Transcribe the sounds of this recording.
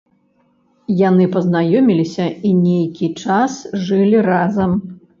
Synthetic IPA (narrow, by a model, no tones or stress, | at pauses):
janɨpɐznajɔmʲilʲisʲɐinʲejkʲit͡ʂasʐɨlʲirazɐm